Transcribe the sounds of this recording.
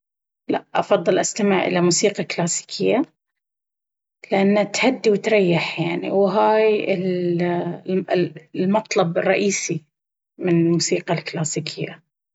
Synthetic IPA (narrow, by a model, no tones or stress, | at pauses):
la̰ʔʔɑ̰fɑðˤːɨlʔast̪amɪʕʔɪ̰lamuːsiːqɑklaːsi̥ːkʰɪjːa | lɪʔanːat̪had̪ːiwɪt̪ɾˤɑjːɪħjaʕnḭwɦaːjɪl | mɑt̪ˤlɑbɪrˤːɑʔiːsi | mɪnɪlmuːsiːqɑlklaːsiːkʰɪjːa